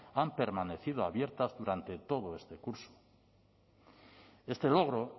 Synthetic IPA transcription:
ampe̞ɾmane̞θið̞oaβje̞ɾt̪azðuɾant̪e̞t̪o̞ð̞oe̞st̪e̞kuɾso̥ | e̞st̪e̞lo̞ɣ̞ɾo̞

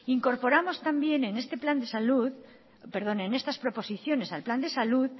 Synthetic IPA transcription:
iŋko̞ɾpo̞ɾamo̞st̪ambje̞ne̞ne̞st̪e̞pland̪e̞saluð | pe̞ɾðo̞ne̞ne̞st̪aspɾo̞po̞siθjo̞ne̞salpland̪e̞saluð

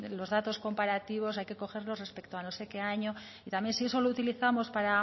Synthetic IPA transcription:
lo̞zðat̪o̞sko̞mpaɾat̪iβ̞o̞sajke̞ko̞xe̞ɾlo̞sre̞spe̞kt̪oano̞se̞ke̞aɲo̞ | it̪amje̞nsie̞so̞lout̪iliθamo̞spaɾa

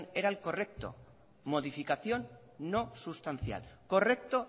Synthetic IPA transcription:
neɾalko̞re̞k̚t̪o̰ | mo̞ðifikaθjo̞nː | osust̪an̟θja̰lko̞rek̚t̪o

